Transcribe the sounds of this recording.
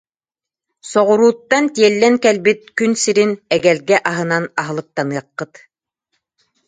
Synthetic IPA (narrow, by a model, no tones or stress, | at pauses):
sɔʁŭɾuːt̪ːant̪ijɛlːɛŋkɛlbit̪̚kynsiɾinɛɡælɡɛʔɑɦɤ̆nanɑɦɤ̆lˠɯ̆k̚t̪ɑnɯɑqːɤt̪